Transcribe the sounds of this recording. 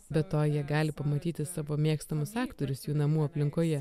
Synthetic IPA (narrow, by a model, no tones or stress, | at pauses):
bʲɛtt̪oːjiɛɡɑːlʲɪpɐmɐt̪ʲiːt̪ʲɪsɑːʋoːmʲeːkst̪ɐmʊsɑːkt̪oɾʲʊsjuːnɐmuːɐpʲlʲɪŋkoːjɛ